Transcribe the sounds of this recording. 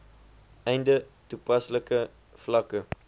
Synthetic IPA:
ɛjndə | tupɐsləkə | flɐkə

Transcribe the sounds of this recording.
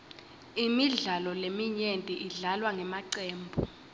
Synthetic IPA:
imiɮalɔlemiɲentʼiʔiɮalwaŋʱɛmaǀɛːmbʱu

